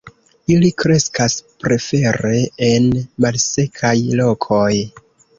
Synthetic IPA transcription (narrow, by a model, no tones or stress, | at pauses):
ilikɾe̞skaspɾe̞fe̞ɾe̞enmalse̞kʰajlo̞kʰo̞j